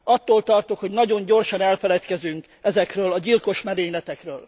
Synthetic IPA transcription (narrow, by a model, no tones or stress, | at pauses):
ɒt̪ːoːlt̪ɒrt̪okho̞ɟnɒɟo̞ɲɟo̞rʃɒnɛlfɛlɛt̪kɛzyŋk | ɛzɛkrøːlɒɟilko̞ʃmɛɾeːɲlɛt̪ɛkrøːl